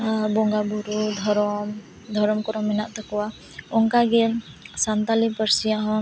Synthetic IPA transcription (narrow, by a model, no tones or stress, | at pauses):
bɔŋɡabuɾud̪ʱɔɾɔm | d̪ʱɔɾɔmkɔɾɔmːɛnaʔt̪akɔwa | ɔŋkaɡɛ | sant̪alipəɾsijaɦɔ̃